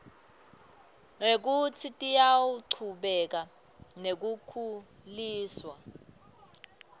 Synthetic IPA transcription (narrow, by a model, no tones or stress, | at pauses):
ŋek̬utʰitʼijawuǀʰuɓɛk̬a | nek̬ukʰu | liːswa